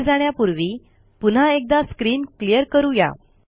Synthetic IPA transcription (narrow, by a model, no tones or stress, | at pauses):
d͡zaɽ̃japuɾʋiː | pun̤aek̚d̪askɾiːnklijəɾkəɾuja̰